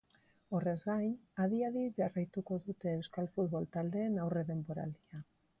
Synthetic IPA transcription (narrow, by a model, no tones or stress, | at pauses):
o̞re̞zɣajnað̞iaðizʝarajt̪uko̞ðut̪e̞ːwskalfut̪̚β̞o̞lt̪ald̪e̞ːnawre̞ðe̞mbo̞ɾa̰ld̪ia